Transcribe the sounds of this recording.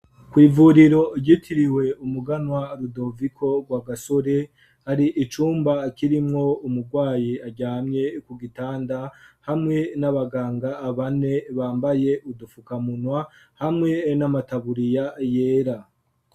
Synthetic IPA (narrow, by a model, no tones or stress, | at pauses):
kwiːvuɾiɾo̞ɟitʰiɾiwe̞umuɡanwaɾudo̞vikʰo̞ɡwaɡaso̞ɾe̞ | haɾiʔːt͡ʃuːmbakiɾimŋo̞umuɡɡwaːjiaɟaːmɲe̞kuɡitaːndahamŋe̞naβaɡaːŋɡaːβane̞βaːmbaje̞ʔudufukamunwa | hamŋe̞namataβuɾijaje̞ːɾa